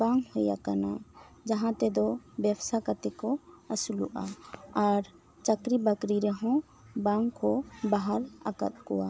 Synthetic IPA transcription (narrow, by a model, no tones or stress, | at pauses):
baŋɡhɔja̰kana | d͡ʒaɦãt̪ɛd̪ɔbɛbsakat̪ɛkɔasuluʔaaɾ | t͡ʃakɾibəkɾiɾɛɦɔ̃ | baŋkɔbaɦaɾa̰ka̰t̪̚kɔwa